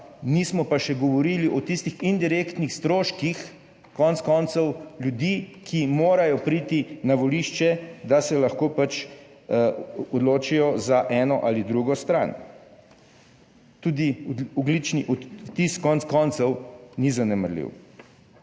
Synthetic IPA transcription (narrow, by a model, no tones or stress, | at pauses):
nismɔpaʃɛɡɔʋɔɾiliʔɔt̪ist̪ixind̪iɾekt̪nixst̪ɾoːʃkix | kɔnt̪skɔnt̪sɔwlʲjud̪ikʰimoːɾajɔpɾiːt̪inaʋɔliːʃt͡ʃɛd̪asɛlaxkoːpat͡ʃ | ɔd̪loːt͡ʃijɔzaʔɛːnɔʔalid̪ɾuɡɔst̪ɾa̰n | t̪uːd̪iɔɡlit͡ʃniʔɔt̪ːiskɔntskɔnt̪sɔwnizanɛməɾlḭw